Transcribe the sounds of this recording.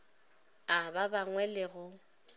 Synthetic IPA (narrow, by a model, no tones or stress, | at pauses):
ababaŋwɛlɪɣʊ